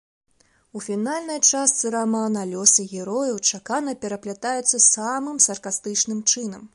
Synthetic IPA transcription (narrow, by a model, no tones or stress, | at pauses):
ufʲinalʲnɐjt͡ʂast̪sɨɾamanɐlʲɔsɨɣʲɛɾɔjɐwt͡ʂakanɐpʲɛɾɐplʲat̪ajɛt̪sːɐsamɨmsɐrkast̪ɨt͡ʂnɨmt͡ʂɨn̪ɐm